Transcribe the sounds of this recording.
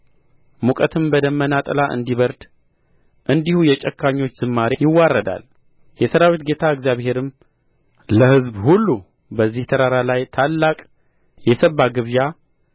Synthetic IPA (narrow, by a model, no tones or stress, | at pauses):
mukʼət̪ʰɨmbəd̪əmːənat̪ʼəlaʔɨ̰nd̪iβəɾd̪ | ʔɨnd̪ihujɛt͡ʃʼɛkːaɲːo̞t͡ʃːz̥ɨmːaɾejɪwːarːəd̪a̰l | jɛsəɾawit̪ɡe̞t̪ʰaɨɡzjaβhe̞ɾɨm | ləhɨzbhulːu | bəzːiht̪ʰəɾaɾalajt̪ʰalːakʼ | jɛsəbːaɡɨβja